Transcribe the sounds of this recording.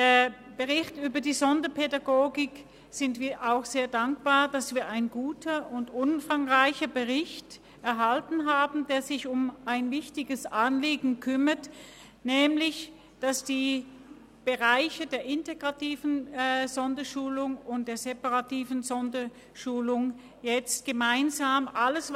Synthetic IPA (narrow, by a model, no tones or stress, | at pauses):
d̥eːɐ | b̥əʁɪçtʔyːbɐdiːzɔndɐpʰedaɡoːɡɪk | z̥ɪntv̥iːɐʔaʊxz̥eːɐdaŋkb̥aːɐd̥asv̥iːɐʔaɪnɡuːtʰɐʊntʔʊnfaŋʁaɪçɐbəʁɪçt | ʔɛɐɦaltn̩ɦaːbn̩d̥eːɐzɪçʊmʔaɪnvɪçtɪɡəsʔanliːɡŋ̩kʰʏmɐt | nɛːmlɪç | d̥asd̥iː | b̥əʁaɪçədeːɐʔɪnteɡ̥ʁatiːvn̩z̥ɔndɐʃuːlʊŋʊnt̚d̥eːɐzepaʁatiːvn̩zɔndɐ | ʃuːlʊŋ | jɛt͡st̚ɡ̥əmaɪnzaːmʔaləs